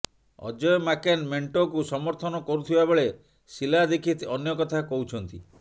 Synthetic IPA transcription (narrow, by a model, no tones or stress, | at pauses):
ɔ̰d͡ʒɔjɔmakenmeɳʈokusɔmɔɾt̪ʰɔnɔkɔɾut̪ʰibabeɭe | silad̪ekʰit̪iɔnjɔkɔt̪ʰakɔɦut͡ʃʰɔnt̪ḭ